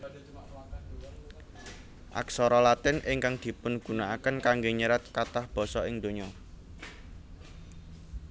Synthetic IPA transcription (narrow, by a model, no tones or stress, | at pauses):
ʔa̰ksɔɾɔlat̪ɪnʔɪŋkaŋd̪̥i̤pʊnɡ̥ṳnaakənkaŋɡeɲəɾat̪̚kat̪ahb̥ɔ̤sɔɪŋd̪̥o̤ɲɔ